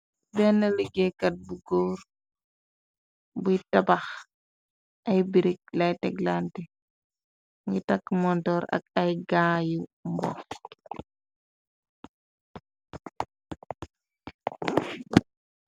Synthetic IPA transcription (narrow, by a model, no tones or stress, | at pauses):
bɛnːɐliɡɛkɐt̚buɡɔːɾ | bujtɐbax | ʔɐjbiɾik̚lɐjtɛɡlanti | mitɐkːmɔntɔːɾɐ̰k̚ɐjɡaːjumbɔ̰x